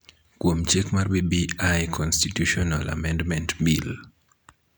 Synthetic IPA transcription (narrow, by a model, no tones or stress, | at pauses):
kwomt͡ʃekmarbibiajkʰɔnstitjuʃɔnalʔa̰mɛ̃ndmɛ̃ntbil